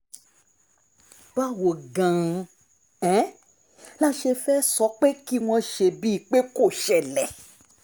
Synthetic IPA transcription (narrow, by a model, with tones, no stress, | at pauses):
ba˦wo˨ɡã˨˧ | ɛ˨˦ | la˦ʃe˧fɛ˦sɔ˨˦k͡pe˦ki˦w̃ɔ̃˧ʃe˧bi˦˨k͡pe˦ko˦˨ʃɛ˨lɛ˨